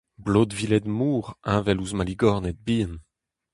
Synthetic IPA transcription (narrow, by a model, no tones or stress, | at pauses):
bloːd̪vilɛd̪muːʁɛ̃vɛluzmaliɡɔʁnɛd̪̚biːən